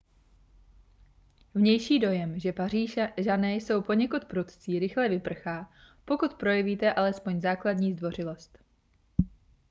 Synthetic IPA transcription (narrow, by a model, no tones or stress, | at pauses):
vɲɛjʃiːdo̞jɛmʒɛpaiːʒanɛːjso̞wpo̞ɲɛkut̪pɾut̪t͡siːɾɪxlɛvɪpr̩xaː | po̞kut̪pɾo̞jɛviːt̪ɛʔalɛspo̞ɲzaːkladɲiːzdvo̞r̝ɪlo̞st̪